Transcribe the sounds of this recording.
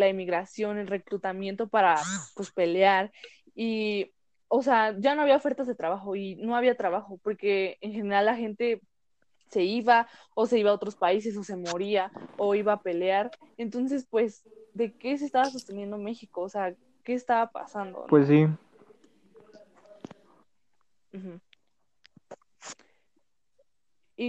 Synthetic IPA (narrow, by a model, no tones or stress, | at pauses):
laimiɣɾasjo̞nelre̞kɾut̪amje̞nt̪o̞paɾapwe̞spe̞leaɾ | i | oseaɟ͡ʝano̞aβiaofe̞ɾt̪azðe̞t̪ɾaβaxo̞ino̞aβiat̪ɾaβaxo̞po̞ɾke̞ːŋxe̞ne̞ɾalːaxe̞nt̪e̞ | se̞iβa | ose̞iβao̞t̪ɾo̞spais̬e̞s̬o̞se̞mo̞ɾiaoiβaːpe̞leaɾent̪o̞ns̬e̞spwe̞z | d̪e̞ke̞s̬est̪aβas̬o̞st̪e̞nje̞nd̪ome̞xikoːsea | ke̞ːst̪aβapa̰sand̪o̰pwes̬ːi | m̩x̩